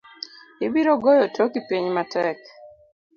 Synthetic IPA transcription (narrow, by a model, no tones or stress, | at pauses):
ɪbiɾoɡojɔtʰokipiɲmatɛk